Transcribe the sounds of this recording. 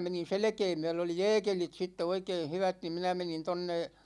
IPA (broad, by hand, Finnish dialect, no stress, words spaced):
menin̞ selĕkeː myɛ̹lø oli jɛːkelit sitːe oikeːh̆ hyʋæt ni minæ menin tonːe